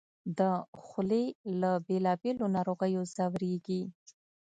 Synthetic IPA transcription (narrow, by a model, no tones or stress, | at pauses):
d̪əxʊlelabelɑbelonɑɾoɣəjozawɾeɡi